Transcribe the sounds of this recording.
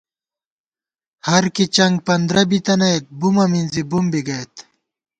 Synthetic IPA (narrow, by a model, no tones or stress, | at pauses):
hɐɾkit͡ɕɐŋɡ̚pɐnd̪ɾɐbit̪ɐnɐet̪̚bumɐminzibumbiɡɐet̪